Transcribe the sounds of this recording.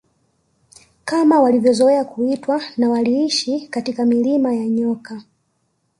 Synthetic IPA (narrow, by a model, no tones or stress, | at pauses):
kamawalivjɔzɔɛakuitwanawaliiʃikatikamilimajaɲɔka